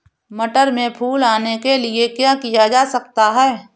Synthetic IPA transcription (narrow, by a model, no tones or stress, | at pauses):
mɐʈəɾmẽpʰuːlaːnekeliekjaːkijad͡ʒaːsɐkt̪aɦɛː